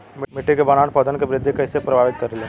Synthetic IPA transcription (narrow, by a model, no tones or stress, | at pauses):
mmɪʈːikebɐnaːnpɐd̪ənkebɾɪd̪ʱjekɐɪsepɾɐbʱaːʋɪt̪̚kɐɾele